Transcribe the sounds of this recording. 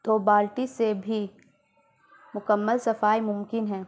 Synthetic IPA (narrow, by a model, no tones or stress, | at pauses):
d̪̥ʱoːbaːlʈisebʱi | mʊkəmːəlsɐfaːimʊmkɪnɦɛ̃ː